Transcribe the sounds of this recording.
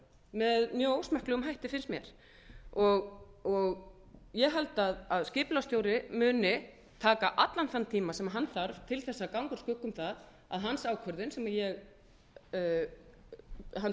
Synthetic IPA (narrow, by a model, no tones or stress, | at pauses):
mɛðmjœːoːwsmɛhklʏɣʏmɦajht̪ɪfɪnst̪mjɛɾ̥ | ɔɣɔɣ | jɛɣɦalt̪aðaðscɪːplawst̪jowɾɪmʏːnɪ | t̪ʰaːkaʔat̪lanθant̪ʰiːmasɛmaɦanːθaɾv̥t̪ʰɪlθɛsːakawŋkʏɾ̥skʏkːʏmθað | a̰ðɦansaːwkʰœɾðɪnsɛmajɛɣ | ɦan